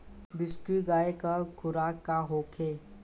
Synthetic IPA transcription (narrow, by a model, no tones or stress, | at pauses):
bɪskɾiɡaːekəkʰʊɾaːkːaɦoːkʰeː